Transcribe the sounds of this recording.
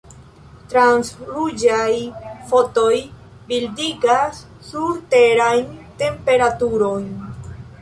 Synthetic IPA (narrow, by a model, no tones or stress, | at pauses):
t̪ɾansɾud͡ʒajfo̞to̞j | bildiɡasː | uɾte̞ɾajnte̞mpe̞ɾatuɾo̞jn